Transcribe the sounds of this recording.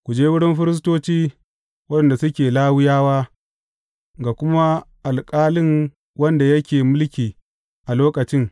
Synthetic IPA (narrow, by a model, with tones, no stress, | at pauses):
kʷu˨d͡ʒeː˦wʊ˦ɽɪ˦mɸɪ˦ɾɪ˦s̬toː˦t͡ʃiː˦ | wɐ˦dɐ˨nda˨sʊ˦kʲeː˨laː˦wɪ˦jaː˦waː˦ | ɡa˨kʷʊ˦ma˦ʔa˨lkʼaː˦lɪ˦ŋ | wɐ˦nda˨jɐ˦kʲeː˨mʊ˦lkʲiː˨ | ʔa˨loː˦kɐ˨t͡ʃɪ˦ŋ